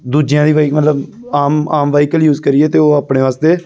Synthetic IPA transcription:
d̪uːd͡ʒjãːd̪iːʋaːikmət̪ləb | aːmaːmʋaːikəljuːzkəɾɪjeːt̪eːoːaːpɽẽːʋaːst̪eː

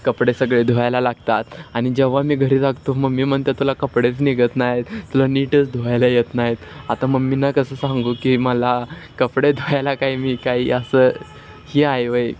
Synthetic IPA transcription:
kəpɽesəɡɭed̪ʱojajlalaɡt̪at̪añid͡ʑəʋ̤amiːɡʱəɾiːt̪aɡt̪oməɡmiːməɳt̪et̪ulakəpɽet͡sniɡət̪najet̪ːulaniʈət͡sd̪ʱoajlajet̪najet̪at̪aməɡmiːnakəsəːsãŋɡukiməlakəpɽed̪ʱojajlakaiːmiːkaiːəsə | hiːajʋəj

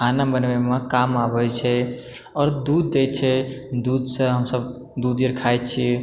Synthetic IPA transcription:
anəbənʋemekamabət͡ʃʰɛ | ɔːɾd̪ud̪ːet͡ʃʰɛd̪ud̪sə̃ɦəmsəb | d̪ud̪iɾkʰajt̪̚t͡ʃʰi

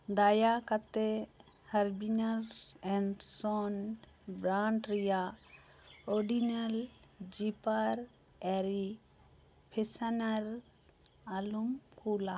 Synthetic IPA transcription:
d̪ajakat̪e | hɐɾbinaɾɛ̃ɳɖsɔn | bɾaɳʈɾija | ɔɾɖinal | d͡ʒipaɾ | ɛɾi | pʰisanaɾ | alumkʰuːla

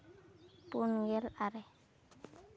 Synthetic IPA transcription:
punɡɛlaɾɛ

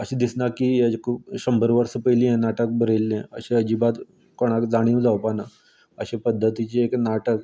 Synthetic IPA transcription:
əɕẽd̪isnakid͡ʑkʰuːpɕəmbəɾʋəɾsəpəjlijẽnaʈək̚bəɾelːẽəɕẽəd͡ʑibat̪ | koɽ̃akd͡zaɽ̃ĩːũd͡zawpana | əɕepəd̪ʱːət̪it͡ɕeeknaʈək

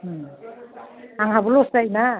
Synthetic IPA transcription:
aŋɦabɔlɔsdajna

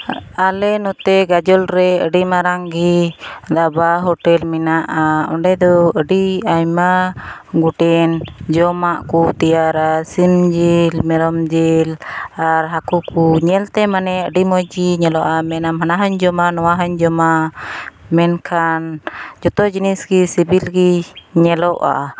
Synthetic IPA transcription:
alɛnɔt̪ɛɡad͡ʒɔlɾɛəɖimaɾaŋɡid̪abaɦɔʈɛlminaʔaɔɳɖɛd̪ɔəɖiajmaɡuʈɛnd͡ʒɔmaʔkut̪ijaɾasimd͡ʒilmɛɾɔmd͡ʒilaɾɦakukuɲɛlt̪ɛmanɛəɖimɔjd͡ʒiɲɛlɔʔamɛnamɦanaɦəɲd͡ʒɔmanɔwaɦəɲd͡ʒɔma | mɛnkʰand͡ʒɔt̪ɔd͡ʒinisɡisibilɡiɲɛlɔʔa̰

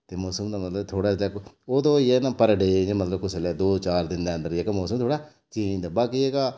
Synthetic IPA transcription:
t̪eːmɔːsəmd̪aːmət̪ləbt̪ʰoːɽaːd͡ʒak | oːd̪õːienãːpəɾɖeːd͡ʒemət̪ləb̚kʊseleːd̪oːt͡ʃaːɾd̪ɪnd̪eːə̃nd̪əɾeːkemɔːsəmt̪ʰoːɽaː | t͡ʃid̪aːbaːkieːɡaː

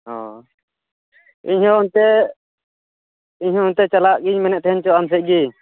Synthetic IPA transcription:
ɔ̃ | iɲɦɔ̃unt̪ɛ | iɲhɔ̃unt̪ɛt͡ʃalaʔɡiɲmɛnɛʔt̪ɛɦɛɲt͡ʃɔams̬ɛʔ̚ɡi

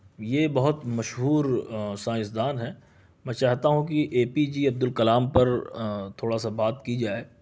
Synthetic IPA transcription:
jeːbɐɦʊt̪mɐʃɦuːɾsãːjɪsd̪aːnɦɛː | mɛ̃ːt͡ʃaːɦt̪aɦũkiʔeːpid͡ʒiɐb̚d̪ʊlkɐlaːmpɐɾt̪ʰoːɽasabaːt̪kid͡ʒaːeː

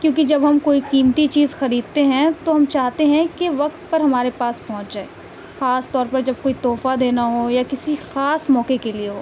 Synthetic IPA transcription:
kjõːkid͡ʒɐbɦɐmkoːikiːmt̪it͡ʃiːzxɐɾiːd̪̚t̪eɦɛ̃t̪oɦɐmt͡ʃaːɦt̪eɦɛ̃kiʋɐk̚t̪̚pɐɾɦɐmaːɾepaːspɔɦʊ̃t͡ʃd͡ʒaːeː | xaːst̪ɔːɾpɐɾd͡ʒɐb̚koːit̪ɔːfad̪eːnaɦojakɪsixaːsmɔːkekelieɦoː

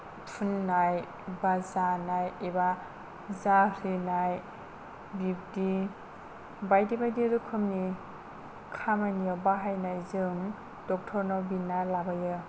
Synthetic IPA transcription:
pʰunːaj | bazanajiba | zaɾinaj | bip̚di | bajdibajdiɾɯkʰɯmni | kʰamanijɯbaɦajnajzɯŋ | dɔk̚tʰɔɾnɔbinːalabajɯ

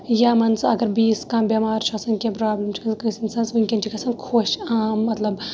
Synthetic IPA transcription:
jaːmɐnzɐɡɐɾbiːskaːmbʲɐmaːɾt͡ʃʰɐsɐnkʲẽpɾaːblʲɐmt͡ʃʰi̥kɐnkɨːsɐnsɐnzʋɨŋʲkʲɐnt͡ʃʰikʰɐsɐnkʰoːʃaːmːɐt̪lɐb

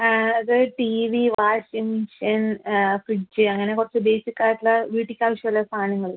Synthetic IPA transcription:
ɐðɨʈiʋiʋaːʂimɕɐnfrid͡ʑːɨɐŋːɐnekurɐt͡ɕːɨbe̞ːsikʲːaːjiʈːulɐʋiːʈːikʲːaːʋɐʂjɐmlːɐst̪ʰaːnɐŋːɐɭul

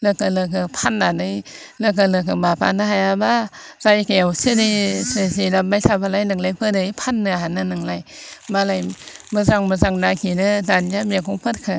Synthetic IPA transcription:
ləkəlɯk̬ɯpʰanːanɯ | lək̬əlɯk̬ɯbapa̰naɦajaba | zajkewsidisesilabajsʰabalajlɯŋlajpʰədɯipʰanːɯɦananɯŋlajbalajməzaŋməzaŋnakinɯtanjamikʰuŋpʰɯt̚kʰa

